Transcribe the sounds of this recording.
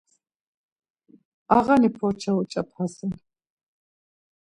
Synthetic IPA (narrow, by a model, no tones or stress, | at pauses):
aʁanipʰɔɾt͡ʃʰaut͡ʃʼap̚ʰhasɛl